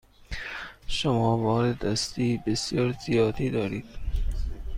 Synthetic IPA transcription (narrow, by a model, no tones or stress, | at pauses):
ʃomɒːvɒːɾed̪æst̪iːbesjɒːɾzijɒːd̪iːd̪ɒːɾiːd̪̥̚